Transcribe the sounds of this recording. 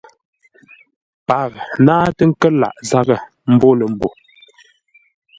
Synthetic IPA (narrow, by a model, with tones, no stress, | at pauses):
pa˨knaː˦tə˦ŋ̩˦kə˦la̰˨ʔza˦ɣə˨ | m̩˦bo˦lə˨m̩˨bo˨